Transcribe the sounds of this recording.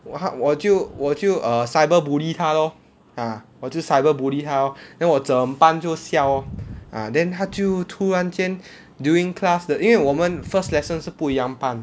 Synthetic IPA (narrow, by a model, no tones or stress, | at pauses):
hawɔtjuwɔtjuʔəsajbəbulit̪ʰalɔ | ãwɔtjusajbəbuditʰalɔdɛ̃nwɔsəəmpãnt͡ʃosjawãdɛ̃nɦatjutʰuɹãnt͡ʃɛ̃n | duĩŋkʰlasdəʔĩɛ̃wɔmə̃nfəslɛsə̃nsupujãmpãn